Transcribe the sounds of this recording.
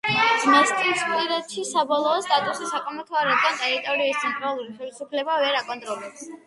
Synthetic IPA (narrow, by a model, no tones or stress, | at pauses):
nast̪ʼiskʼiɾad̪ʃisabɔlˠɔːst̪ʼat̪ʼusisakʼamat̪ʰwaɾɛd̪ɡanʼɛɾt̪ʼɔɾiist̪sʰɛnt̪ʼɾalˠuɾiχɛlisupʰlɛbavɛɾakʼɔnt̪ʼɾɔlɛps